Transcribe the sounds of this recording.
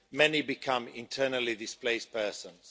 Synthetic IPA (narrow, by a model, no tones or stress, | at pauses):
mɛnibɪkʰʌ̃mɪ̰̃ntʰɜːnəlidɪspleɪspʰɜːˑsə̃nz̥